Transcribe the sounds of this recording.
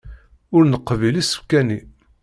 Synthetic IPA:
ʊɾnəqːvilisu̥kːæni

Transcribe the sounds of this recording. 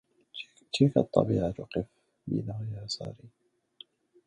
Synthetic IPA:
t͡ʃiːkat̪ˤːɑ̰biːʕat̪ʊqɪf | bḭnaɣjaːsɑ̰ːɾiː

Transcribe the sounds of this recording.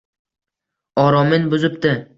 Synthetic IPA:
ɒɾɒmɪnbʊzɪpt̪ɪ

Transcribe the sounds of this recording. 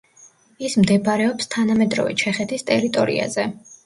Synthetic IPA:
ismd̪ɛbaɾɛɔpst̪ʰanamɛd̪ɾɔ̰vɛ̰t͡ʃʰɛχɛt̪ʰist̪ʼɛɾit̪ʼɔɾḭa̰zɛ

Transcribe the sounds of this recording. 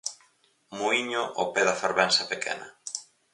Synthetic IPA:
muiɲoʔopɛðɐfeɾβɛnsɐpekʰɛ̰nɐ

